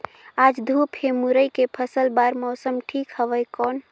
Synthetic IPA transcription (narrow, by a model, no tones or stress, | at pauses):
ad͡ʒd̪ʱupemuɾəjkepʰəsəlbaɾmɔːsəmʈʰiːkhəʋəjkɔːn